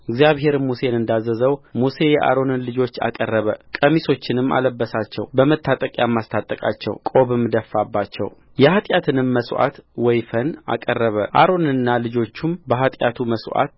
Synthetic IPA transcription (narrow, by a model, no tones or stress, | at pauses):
ɪɡzijaβɦe̞ɾmuse̞nɨnd̪azːəzəwmuse̞jɛʔa̰ɾo̞nɨnlɨd͡ʒo̞t͡ʃːa̰kʼərːəβəkʼəmiso̞t͡ʃːɪnɨmːa̰ləbːəsat͡ʃːɛ̰wbəmət̪ʰːat̪ʼəkʼjamːast̪ʰat̪ʼːəkʼa̰t͡ʃːɛ̰wkʼo̞βɨmːd̪əfːabːat͡ʃːɛ̰w | jɛhat̪ʼjat̪ʰɨnɨmːəswʔa̰t̪wɔjfəna̰kʼərːəβəʔa̰ɾo̞nɨnːalɨd͡ʒo̞t͡ʃːumbəɦat̪ʼja̰t̪ʰuməswʔa̰t̪̚